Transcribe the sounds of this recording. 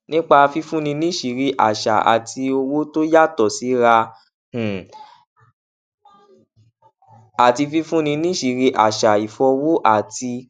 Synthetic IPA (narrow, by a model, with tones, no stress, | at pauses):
nĩ˦k͡pa˧fi˧fũ˦nĩ˧nĩ˦ʃi˨˧ɾi˧˦ʔa̰˨ʃa̰˨ʔa̰˨ti˧o˧wo˦to˦ja˦˨tɔ˨si˨˦ɾa˧ | h̩˨ | a˨ti˧fi˧fũ˦nĩ˧nĩ˦ʃi˨˧ɾi˧˦ʔa˨ʃa˨i˨fɔ˧wo˦ʔa˦˨ti˧